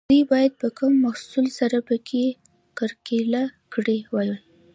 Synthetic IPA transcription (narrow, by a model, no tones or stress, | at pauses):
d̪ujbɑjad̪̚pəkumːahsulsaɾapəkʰe | kəɾkelakɽewaji